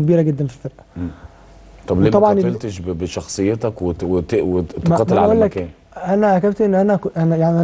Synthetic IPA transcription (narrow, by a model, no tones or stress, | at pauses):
k̚biːɾæɡed̪ːænfilfeɾʔæ̥ | t̪ˤɑbliːmt̪ɑbʕɑnfelt̪eʃbebeʃɑxsˤejːet̪ɑkweweewet̪ːɑt̪ælʕʔullːækæːn | ʔænæʔækæbt̪ʔenːʔænækʔænæjaʕniʔæ